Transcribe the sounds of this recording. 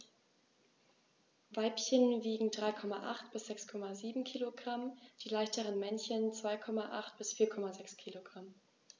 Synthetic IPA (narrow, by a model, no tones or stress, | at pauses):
vaɪpçənviːɡŋ̩dʁaɪkʰɔmaʔa̰χtb̥ɪsz̥ɛkskʰɔmaziːbm̩kʰiːloɡʁamd̥iːlaɪçtəʁənmɛnçənt͡sv̥aɪkʰɔmaʔa̰χtb̥ɪsfiːɐkʰɔmazɛkskʰiːloɡ̥ʁam